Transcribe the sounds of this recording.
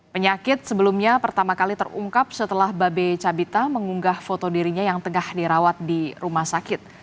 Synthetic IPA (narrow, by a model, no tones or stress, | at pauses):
pəɲakɪt̪̚səbəlumɲapərt̪amakalit̪ə̰rṵŋkap̚sət̪əlahbabet͡ʃabit̪aməŋuŋɡahfot̪odiɾiɲajaŋt̪əŋahdiɾawat̪̚diɾumasakɪt̪̚